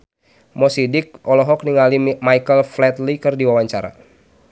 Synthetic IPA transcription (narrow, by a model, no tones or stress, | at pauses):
mɔsidɪk̚ʔɔlɔɦɔk̚niŋalimaikəlflɛt̪likɨrdiwawaɲt͡ʃaɾa̰